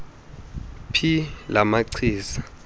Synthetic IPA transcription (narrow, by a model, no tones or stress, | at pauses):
pʰilamaǀʰiːsḁ